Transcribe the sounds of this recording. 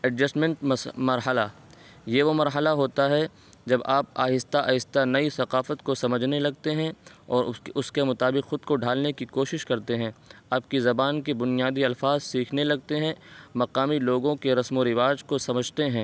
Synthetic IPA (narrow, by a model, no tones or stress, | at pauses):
ɛɖd͡ʒɐsʈmɛ̃ɳʈmɐɾɦəla | jeʋomɐɾɦəlaɦoːt̪aɦɛ | d͡ʒɐbaːp̚a̰ːɦɪst̪aʔɐɪst̪anɐisɐqaːfət̪kosɐməd͡ʒʱnelɐɡ̚t̪eɦɛ̃ɔːɾʊskemʊt̪aːbɪqxʊd̪koɖʱaːlnekikoːʃɪʃkɐɾt̪eɦɛ̃ːaːp̚kizɐbaːnkebʊnijaːd̪iɐlfaːzsiːkʰnelɐɡ̚t̪eɦɛ̃mɐqaːmiloːɡõkeɾɐsmoɾɪʋaːd͡ʒkosɐməd͡ʒʱt̪eɦɛ̃ː